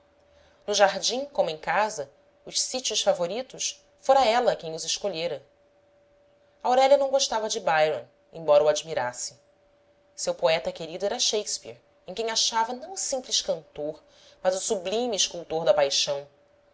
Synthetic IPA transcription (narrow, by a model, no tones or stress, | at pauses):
nʊʒaɦd͡ʒĩŋkõmʊẽj̃kazɐ | ʊʃsit͡ʃʊʃfavoɾit̪ʊs | foɾɐ̃ɛlɐkẽj̃ʊzɪʃkoʎeɾɐ | ɐːwɾɛʎɐnɐ̃w̃ɡoʃt̪avɐd͡ʒɪbajɾõ | ẽbɔɾɐuad͡ʒimiɾasɪ̥ | sewpoɛt̪ɐkeɾid̪ʊɛɾɐʃejspiḛɾ | ẽkẽj̃aʃavɐnɐ̃w̃ʊsĩmplɪʃkɐ̃nt̪oɾ | mɐzʊsublĩmiːʃkuwt̪oɾd̪ɐpajʃɐ̃w̃